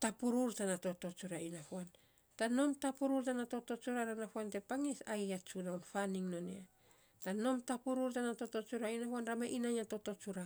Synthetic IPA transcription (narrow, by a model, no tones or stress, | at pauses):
tapuɾuɾtanato̞to̞t͡ʃuɾainapuan | tano̞mtapuɾuɾtanato̞to̞t͡ʃuɾaɾanapuante̞paŋesajat͡ʃunaunfaniŋno̞nḛa | tano̞mtapuɾuɾtanato̞to̞t͡ʃuɾainapuanɾameʔinaɲato̞to̞t͡ʃuɾa